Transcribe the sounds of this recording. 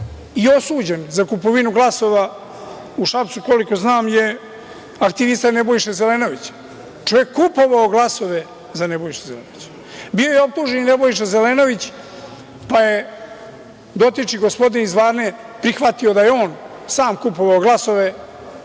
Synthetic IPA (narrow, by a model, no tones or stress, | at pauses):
io̞suːd͡ʑenzakupo̞ʋinuɡlˠaso̞ʋa | uʃapt̪suko̞liko̞znaːmje | ak̚t̪iʋist̪anebo̞jʃezeleno̞ʋit͡ɕ | t͡ʃo̞ʋjekːupo̞ʋaoɡlˠaso̞ʋe | zanebo̞jiʃezelḛnoʋit͡ɕ | bio̞jeo̞p̚t̪uːʒeninebo̞jʃ̬ezeleno̞ʋit͡ɕ | paje | d̪o̞t̪it͡ʃiɡo̞spo̞d̪inizʋaːɾne | pɾixʋat̪io̞d̪ajeo̞ːn | saːmkupo̞ʋaoɡlˠaso̞ʋe